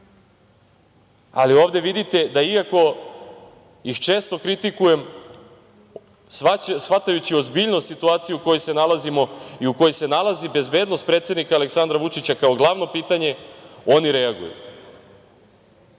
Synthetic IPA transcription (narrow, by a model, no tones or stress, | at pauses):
a̰lio̞ːʋd̪e̞ʋid̪it̪e̞d̪aiako̞ | ixt͡ʃe̞ːst̪o̞kɾit̪ikuje̞m | sʋat̪ajut͡ɕiozbiʎnost̪sit̪uaːt̪sijuuko̞jese̞nalˠazimo̞iuko̞jese̞nalˠazibe̞zbe̞d̪no̞st̪̚pɾet̪sje̞d̪nikaːle̞ksand̪ɾaʋut͡ʂit͡ɕakao̞ɡlˠaʋno̞piːt̪aɲe̞o̞niɾe̞aɡṵjṵ